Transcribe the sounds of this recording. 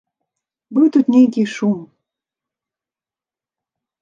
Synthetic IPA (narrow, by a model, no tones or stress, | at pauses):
bɨwt̪ut̪nʲejkiʃum